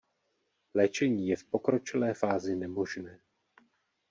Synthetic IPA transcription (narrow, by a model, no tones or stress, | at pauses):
lɛːt͡ʃɛɲiːjɛfpo̞kɾo̞t͡ʃɪlɛːfaːzɪnɛmo̞ʒnɛː